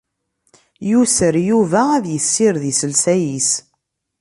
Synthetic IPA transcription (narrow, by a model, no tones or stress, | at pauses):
jusəɾjuvææðjəsːiɾðisəlsæjis